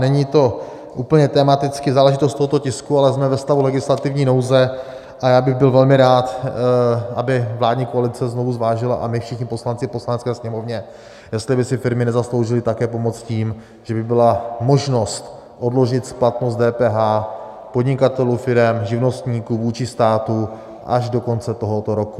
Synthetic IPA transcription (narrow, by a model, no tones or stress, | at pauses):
nɛɲit̪o̞ | ʔuːpəɲɛt̪ɛːmat̪ɪt͡skɪzaːlɛʒɪt̪ost̪oɦot̪ocɪskualɛzmɛvɛst̪avulɛɡɪslat̪ɪvɲiːno̞wzɛ | ʔajaːbɪɣbɪlvɛlmɪɾaːt̪ | ʔabɪvlaːdɲiːkoalɪt͡sɛzno̞vuzvaːʒɪla̰ʔamɪfʃɪxɲɪpo̞slant͡sɪposlanɛt͡skɛːsɲɛmo̞vɲɛ | jɛst̪lɪbɪsɪfɪɾmɪnɛzaslo̞wʒɪlɪt̪akɛːp̬o̞mo̞t͡sciːm | ʒ̥ɛbɪbɪlamo̞ʒno̞st̪ | ʔo̞dlo̞ʒɪt̪splat̪no̞st̪dɛːpɛːɦaː | po̞dɲɪkat̪ɛluːfɪɾɛmʒɪvno̞st̪ɲiːkuvuːt͡ʃɪst̪aːt̪u | ʔa̰ʒdo̞ko̞nt͡sɛt̪o̞ɦot̪oɾo̞ku̥